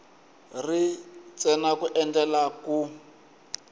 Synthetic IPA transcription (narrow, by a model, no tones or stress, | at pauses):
rit͡sɛnakuʔɛnd͡ɮɛlaku